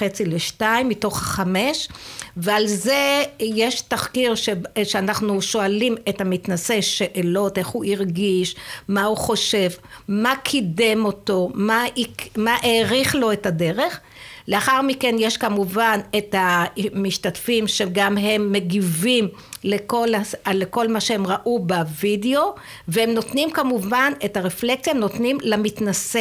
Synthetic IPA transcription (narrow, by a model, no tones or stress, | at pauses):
et͡sileʃtaimːito̞χaχameʃvealzejeʃtaχkiʁʃeʃeanaχnuʃo̞alimethamitnase̞ʃeʔelo̞te̞χhuʔiʁɡiʃmahuχo̞ʃe̞vmakʰidemo̞to̞maimaʔeʁiχlo̞etadeʁe̞χ | le̞aχaʁmikenjeʃkamuvanethamiʃtatfimʃeɡamɦe̞mːeɡivim | lekolaleko̞lmaʃeemʁaʔubavideo̞ | vehemno̞tnimkamuvane̞taʁeflek̚t͡sjaemnotnimlamitnase